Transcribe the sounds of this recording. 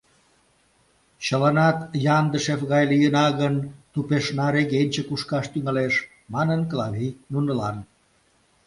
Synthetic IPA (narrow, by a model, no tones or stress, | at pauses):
t͡ɕəlɑnɑt̪jɑnd̪əʃefɣɑjlyjənɑɣənt̪upeʃnɑɾeɣenʲt͡ɕəkuʃkɑʃt̪yŋɑleʃ | mɑnənklɑβʲinunəlɑn